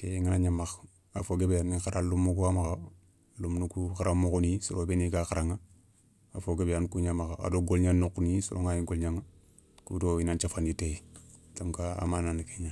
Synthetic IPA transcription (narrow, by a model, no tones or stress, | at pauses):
keŋinaɲamax | afoɡebjanixaɾʔalumːukuamaxa | lumnukukaɾamukunisuɾobeniɡaxaɾaŋa | a̰foɡebjankuɲamaxaa̰doɡolɲanːokunisṵɾo̰ŋajiɡolɲaŋa | kubdoinant͡ʃafanditetamkaa̰mananikeɲa